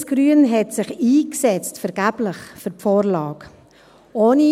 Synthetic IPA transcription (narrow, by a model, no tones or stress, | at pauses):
sɡ̥ɾyənɦɛtsɪχiːksɛt͡stfɛɾɡ̥æb̥lɪχfʏɾpfoːɾlɑːk | oːni